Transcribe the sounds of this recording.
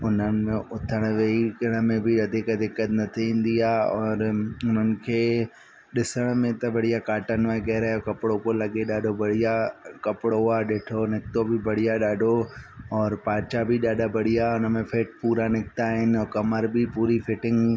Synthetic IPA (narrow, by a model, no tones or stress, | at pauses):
ʊnənɪ̆mẽʊt̪ʰəɽ̃ʋeikɪɽ̃̆mẽbɪɐd̪ʱekɐd̪ʱɪkət̪nɐt̪ʰiĩːn̆d̪iaːɔːɾʊn̤ənɪ̆kʰeː | ɗɪsəɽ̃mẽt̪ɐbɐɽ̤ijakaːʈənʋaɡɛɦɾaokɐpɽopolɐɠeɗaːɖʱobɐɽ̤ijakɐpɪɽoaːɗeːʈʰonɪk̚t̪obʱɪbɐɽ̤ijaɗaːɖʱoɔːɾpaːt͡ʃabɪɗaːɖʱabɐɽ̤ijaʊnə̆mẽfeːʈ̚puːɾanɪkt̪aːɦɪnɪ̆ɔːkɐməɾbʱɪpuːɾifɪʈɪ̃ŋɡ